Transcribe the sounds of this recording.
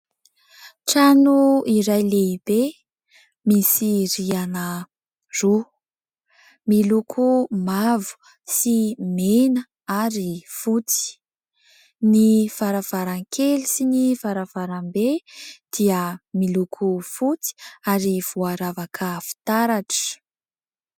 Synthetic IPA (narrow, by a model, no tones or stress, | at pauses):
ʈ͡ʂanuiɾajleib̥e | misiɾianə | ru | milukʰumavu̥ | simenə | aɾifut͡si̥ | nifaɾav̥aɾaŋkʰelisinifaɾavaɾambed̪̥iəmilukʰufut͡si̥aɾiv̥uaɾavakʰəfi̥t̪aɾaʈ͡ʂə̥